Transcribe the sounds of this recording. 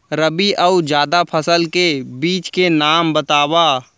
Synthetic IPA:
ɾəbiʔɐud͡ʒjaːd̪apʰəsəlkebiːt͡ʃkenaːmbɐt̪aːwaː

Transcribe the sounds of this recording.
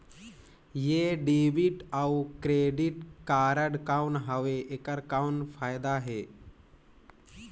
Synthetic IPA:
jeːɖiːʋiʈaukɾeːɖiʈkaːɾəɖkawnɦəʋeekəɾkawnpʰaːjd̪aɦeː

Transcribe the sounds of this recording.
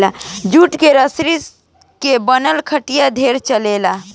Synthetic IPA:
lad͡ʒuːʈkeɾəsɾis | kebənəlkʰəʈijad̪ʱeːɾt͡ʃəlela

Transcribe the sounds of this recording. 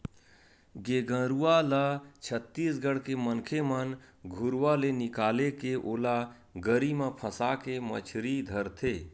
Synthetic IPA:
ɡeɡə̃ɾualat͡ʃʰət̪ːiːsɡəɽ̤kemənkʰemənɡʱʊɾwalenɪkaːlekeʔoːla | ɡəɾimẽpʰəsakemə̰t͡ʃʰɾid̪ʱəɾt̪ʰeː

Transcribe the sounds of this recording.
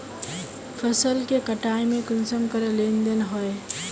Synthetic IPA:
fʰəsəlkekəʈaːemẽkʊnsəmkəɾelẽnd̪ənɦɔe

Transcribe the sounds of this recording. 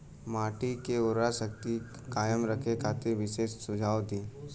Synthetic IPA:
maːʈikeʊɾaʃək̚t̪i | kaːjəmɾəkʰekʰaːt̪ɪɾʋɪʃeːsːʊd͡ʒʱaːot̪iː

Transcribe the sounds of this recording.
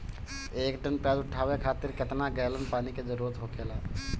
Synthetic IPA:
ekɖənpɛd̪ʊʈʰːaʋekʰat̪iɾket̪naɡələnpaniked͡ʒəɾuɾət̪ɦokʰela

